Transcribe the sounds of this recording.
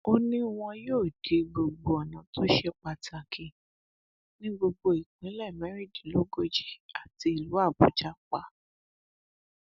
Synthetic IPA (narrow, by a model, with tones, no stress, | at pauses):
o˦nĩ˦w̃ɔ̃˧joː˦˨d̥e˨˦ɡ͡bo˧ɡ͡bo˧ɔ˨nã˨˦tʰo˦ʃɛ˧k͡pa˨ta˨kʰĩ˧ | nĩ˦ɡ͡bo˧ɡ͡bo˧i˨k͡pĩ˨˦lɛ˦˨mɛ˨˦ɾi˦˨d͡ʒi˨lo˦ɡo˦d͡ʒi˦a˨ti˧˦i˨lu˨˦a˦˨bo˨˦d͡ʒa˦k͡pa˧